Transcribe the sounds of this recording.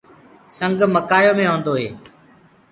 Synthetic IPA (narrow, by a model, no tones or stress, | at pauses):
səŋɡməkaːjoːmẽːɦõːnd̪oːɦeː